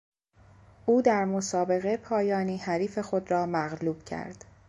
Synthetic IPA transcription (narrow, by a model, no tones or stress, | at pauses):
ʔuːd̪æɾmosɒːbe̞ɣe̞pʰɒːjɒːniːhæɾiːfe̞xod̪ɾɒːmæɣluːb̥cʰæ̰ɾd̪̥